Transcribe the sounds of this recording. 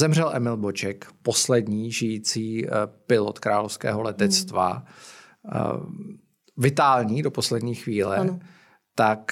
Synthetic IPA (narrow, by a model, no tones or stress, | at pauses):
zɛmr̝ɛlʔɛmɪlbot͡ʃɛkpo̞slɛdɲiːʒɪjiːt͡siːpɪlot̪kɾaːlofskɛ̰ːɦolɛt̪ɛt͡st̪va̰ | vɪt̪aːlɲiːdo̞po̞slɛdɲiːxviːlɛ̰ | t̪ak